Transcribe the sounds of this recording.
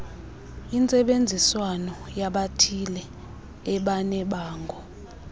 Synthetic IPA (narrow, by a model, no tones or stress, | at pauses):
int͡sʼɛɓend͡zʱiswanɔjaɓatʰilɛː | ɓanɛɓaːŋɡʱɔ